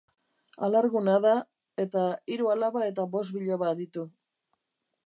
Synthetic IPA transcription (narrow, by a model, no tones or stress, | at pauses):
alaɾɣunaða | e̞t̪aiɾualaβae̞t̪̬aβo̞s̬t̪biʎaβad̪it̪u